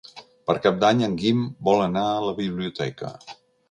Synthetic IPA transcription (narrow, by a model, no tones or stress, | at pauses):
pəɾkap̚d̪aɲəŋɡimbɔlˠənaələβiβ̞liut̪ɛkə̰